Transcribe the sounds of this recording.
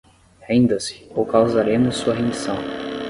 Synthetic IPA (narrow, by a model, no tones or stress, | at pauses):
hẽnd̪ɐsɪ̥owkawzaɾẽmʊsːuɐɦẽd͡ʒisɐ̃w̃